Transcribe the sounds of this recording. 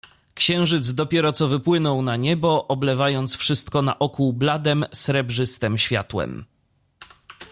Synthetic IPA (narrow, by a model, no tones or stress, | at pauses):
kɕɛ̃w̃ʐɘd̪zd̪ɔpʲjɛɾɔt̪sɔvɘpwɘnɔwnaɲɛbɔʔɔblɛvajɔnt̪sfʂɘst̪kɔna̰ʔɔkublad̪ɛmsɾɛbʐɘst̪ɛmɕfʲja̰t̪wɛ̰m